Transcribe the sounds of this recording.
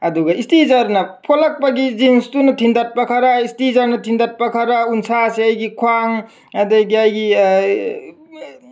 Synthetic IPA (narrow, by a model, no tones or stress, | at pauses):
ɐduɡɐistizaɾnɐpʰolak̚paɡizinstunɐtʰindat̚pakʰaɾaistizaɾnɐtʰindat̚pakʰaɾaunsaseajɡikʰwaŋ | adajɡiajɡi